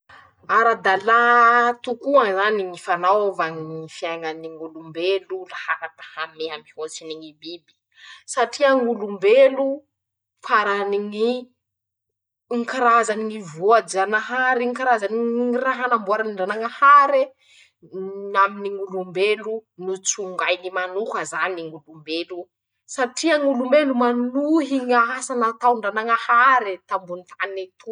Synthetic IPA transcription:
aɾad̪alat̪ukuaŋzaniŋifanawvaŋifiaŋaniŋulumbelulahaɾakḁhameamihosiniŋibibi̥ | saʈ͡ʂiaŋulumbelu | faɾaniŋi | ŋkaɾazaniŋivoad͡ʒanaɦaɾiŋkaɾazaniiŋiraɦanambuaɾaniɳɖ͡ʐanaŋahaɾe | aminiŋulumbelunut͡suŋɡajnimanuhazaniŋulumbelu | saʈ͡ʂiaŋulumbelumanuɦiŋaasanat̪awɳɖ͡ʐanaŋahaɾet̪ambunt̪ʰaninet̪u

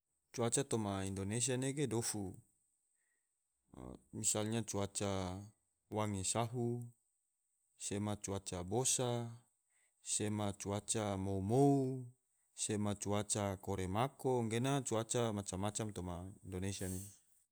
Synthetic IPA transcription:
t͡ʃuat͡ʃat̪omaindones̬ianeɡedofu | misalɲat͡ʃuat͡ʃa | waŋesaɦu | semat͡ʃuat͡ʃabosa | semat͡ʃuat͡ʃamoumou | semat͡ʃuat͡ʃakoɾemakoŋɡenat͡ʃuat͡ʃamat͡ʃamːat͡ʃamt̪omaindonesiane

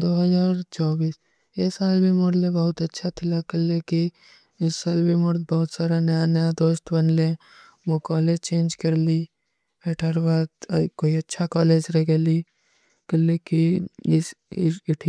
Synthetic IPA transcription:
d̪oːɦɐzaːɾt͡ʃɔːbiːs | eːsaːlbʱimoɽlẽbɐɦʊt̪ɐtːʃʰat̪ʰɪlakɐlːeki | ɪsːaːlbʱimʊɾd̪̚bɐɦʊt̪saːɾanɐjanəjad̪oːʃt̪bɐnlẽ | ʋokɔːleːd͡ʒt͡ʃẽːnd͡ʒkɐɾli | eʈʰaɾbaːd̪koːiɐtːʃʰakɔːleːd͡ʒɾeɡeli | kɐlːekiɪɪʈʰi

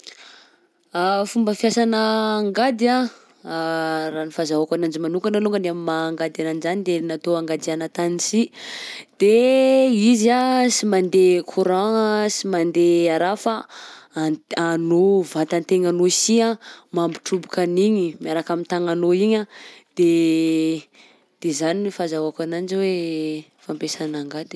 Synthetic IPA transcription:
afumbəfjasanəːŋɡad̪ia | ranifazaakanand͡ʒimanuŋkanaluŋɡənamimaŋɡad̪ananizanid̪enat̪oaŋɡad̪ianat̪anisi | d̪̥e | izasimand̪ekʰuɾaŋsimand̪eaɾafa | anovat̪ant̪eŋanoisiamambiʈ͡ʂubukaniɲimiaɾakamint̪aŋanoiɲad̪̥e | d̪̥ezanifazawakanand͡ʒiwe | fampesanaŋɡad̪i̥

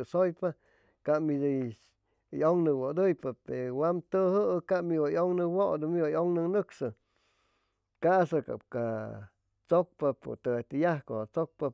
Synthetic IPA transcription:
sojpa | kamid̪ɨ | joŋnɨwod̪ɨjpapeɾwamt̪ɨɦɨkamiwajoŋnɨwoʔd̪ɨmiwajoŋnɨnɨksɨ | kasaka̰pka | t͡sok̚papo̰t̪ɨat̪ijahkohat͡sok̚pa

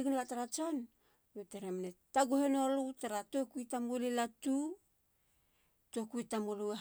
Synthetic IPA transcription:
ɡunlataɾat͡ʃon | meteɾemnetaɡuhenolutaɾatokuitamulilatu | tokuitamolue

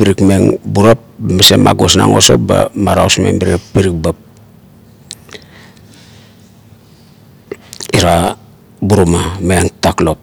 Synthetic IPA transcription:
piɾikmeŋbuɾap̚bamesema̰ɡosna̰ŋo̰so̰ba̰maɾaosmḛmbiɾepiɾik̚bap̚ | iɾa | buɾomameaŋtaklo̞p̚

